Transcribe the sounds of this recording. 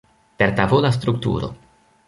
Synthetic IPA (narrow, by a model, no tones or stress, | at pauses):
teɾtavolas̬t̪ɾuk̚tṵɾo̞̰